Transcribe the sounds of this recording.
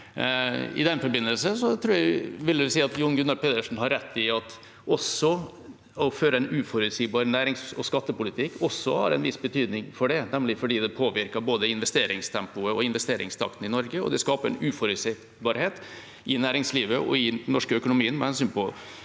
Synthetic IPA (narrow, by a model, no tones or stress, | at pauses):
ɪ̰d̪ɛnfɔɾbɪnːəlsəsɔt̪ʰɾuːjæɪʋɪlːəd̪ʉsiːɑt̪jʊnɡʉnːɑl̚pʰeːd̪ɾəʂn̩hɑɾːɛt̪ːɪɑt̪ | ɔsɔ | ɔføːɾəɛɪnʉːfɔɾʉt̪siːbɑːɾnæːɾɪŋsɔskɑt̪ːəpʊlɪt̪ʰɪkʰːɔsːɔhɑ̰ɾɛ̰nʋɪsbət̪ʰyːd̪nɪŋfɔɖɛnæmlɪfɔɖiːd̪ɛpʰoːʋɪɾkəboːd̪əɪnʋɛst̪eːɾɪŋst̪ʰɛmpʊəɔɪnʋɛst̪eːɾʔɪ̰ŋst̪ʰɑ̰kt̪n̩ɪnɔɾɡəɔ̰d̪ɛskɑːpəɾɛ̰nʉːfɔɾʉt̪sɪ | bɑːɾheːt̪ | ʔɪnæːɾɪŋsliːʋəʔɔ̰ɪd̪nɔʂkəœkʊnʊmiːənmɛhɛnsyːnpɔ